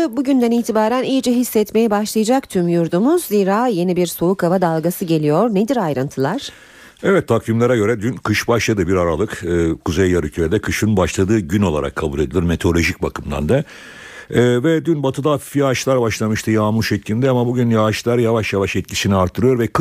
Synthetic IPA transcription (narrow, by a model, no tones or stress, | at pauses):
buɟynd̪æniːt̪ʰibaːɾænijd͡ʒɛɦisːɛt̪me̞jɛbaʃlˠajad͡ʒak̚t̪ʰymjuɾd̪umuzːiːɾaːje̞nibiɾso̞ukʰavad̪alˠɡasɯɟe̞lʲijoɾned̪iɾajɾɯnt̪ʰɯlˠaɾ̥ | ɛvɛt̪ʰːakvimlʲeɾaɟø̞ɾɛd̪ynkʰɯʃbaʃlˠad̪ɯbiɾaɾalˠɯkɯkʰuzejːaɾycʰyɾɛd̪ɛkʰɯʃɯnbaʃlˠad̪ɯːɟyno̞lˠa̰ɾa̰kʰːabulʲˠed̪ilʲiɾme̞t̪ʰolʲo̞ʒic̚bakʰɯmd̪a̰nd̪a | vɛd̪ynbat̪ʰɯd̪afifjaaʃlˠaɾbaʃlˠamɯʃt̪ʰɯjaːmuʃɛcʰlʲind̪ɛamabuɟynjavaʃlˠaɾjavaʃjavaʃɛt̪cʰisiniaɾt̪ʰːɯɾɯjo̞ɾvɛk